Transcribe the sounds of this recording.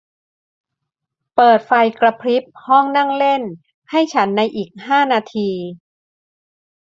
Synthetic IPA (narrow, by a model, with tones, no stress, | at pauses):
pɤː˨˩t̪̚fa˧jkɾa˧pʰɾi˦˥p̚hɔ˥˩ŋna˥˩ŋle˥˩n | ha˥˩jt͡ɕʰa˦˥nːa˧jʔiː˨˩k̚haː˥˩naː˧t̪ʰiː˧